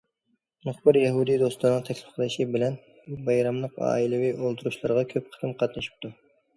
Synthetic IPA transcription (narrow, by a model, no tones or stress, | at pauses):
mʊχbɨɾjɛɦud̪ijd̪ost̪nəŋt̪ʰɛkʲlɪ̥fqʰəlˠɨʃibɪlɛn | bbɑjɾɑmlˠəqɑ̰ːilˠɨwiʔolˠt̪ʰuɾuʃlˠɑɾʁɑkʲʰøp̚qʰə̥t̪ɨmqʰɑt̪nɨʃi̥p̚t̪ʰu